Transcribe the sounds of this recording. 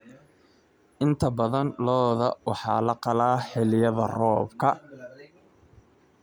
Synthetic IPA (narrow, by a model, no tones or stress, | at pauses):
ʔɪnt̪ʰɐbɐðɐnlɔːðɐ̰wɑħɑ̰ːlɐqɑlaːħɛlɪjɐðɐrɔːbkʰɐ